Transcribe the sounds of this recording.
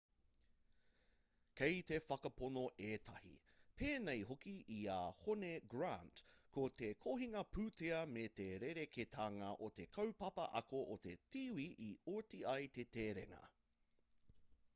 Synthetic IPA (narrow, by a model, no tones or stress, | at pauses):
kejt̪efɐkɐponoʔeːtʰɐhḭ | pʰeːnejɦokiiaːhoneɡɹantkot̪ekʰoɦiŋɐpʉːt̪eɐmet̪eɾeɾekʰet̪ʰaːŋɐʔot̪e̞kʰɐwpɐpɐ̰ʔɐ̰koʔot̪ḛtiːwiʔioɹtiɐjt̪et̪eːɾḛŋɐ̰